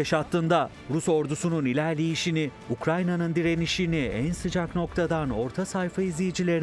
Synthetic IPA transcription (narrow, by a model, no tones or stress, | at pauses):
eʃat̪ʰlːˠɯnd̪a | ɾuso̞ɾd̪usununilʲæɾlʲejiʃini | ukɾajnanɯnd̪iɾe̞niʃiniænsɯd͡ʒakno̞k̚t̪ʰad̪ano̞ɾt̪ʰasajfaizlʲejid͡ʒilʲe̞ɾi